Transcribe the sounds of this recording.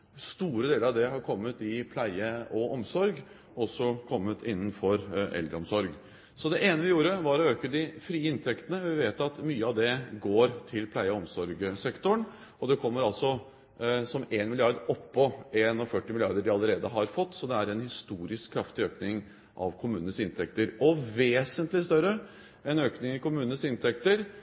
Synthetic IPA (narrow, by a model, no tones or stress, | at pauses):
st̪uːɾəd̪eːləɾɑʋd̪ɛɦɑɾkʰɔmːət̪ɪpʰlæɪəɔʔɔmsɔɾɡ | ɔsːɔkʰɔmːət̪ʰɪnːənfɔɾʔɛ̰ld̪ɾəɔmsɔɾɡ | sɔd̪ɛʔeːnəʋɪjuːɾəʋɑɾɔøːkəd̪ɪfɾiːəɪnt̪ʰɛkt̪ənəʋɪʋeːt̪ɑt̪myːəɑʋd̪ɛɡoːɾt̪ʰɪlpʰlæɪəɔɔmsɔɾɡsɛkt̪ʊəɳ | ɔd̪ɛkʰɔmːəɾɑlsɔ | sɔmeːnmɪlɪɑɾd̪ɔpːɔeːnɑfœʈːɪmɪlɪɑ̰ɾd̪əɖɪɑlːəɾeːd̪əɦɑɾfɔt̪ːsɔd̪ɛæɾɛnhɪst̪uːɾɪskʰːɾɑft̪ɪøːknɪŋ | ʔɑ̰ʋkʰʊmʉːnənəsɪnt̪ʰɛkt̪əɾɔʋeːsənt̪lɪst̪œɾə | ɛnøːknɪŋɪkʊmʉːnənəsɪnt̪ʰɛkt̪əɾ